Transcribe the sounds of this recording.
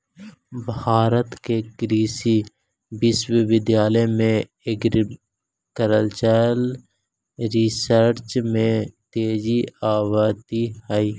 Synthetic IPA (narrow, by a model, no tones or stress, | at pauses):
bʱaːɾət̪kekɾiːsi | bɪswiʋɪd̪jaːləjmẽ | eːkɾ | kəɾəlt͡ʃəl | ɾisəɾɾt͡ʃmẽt̪eːd͡ʒiaːwat̪ihəi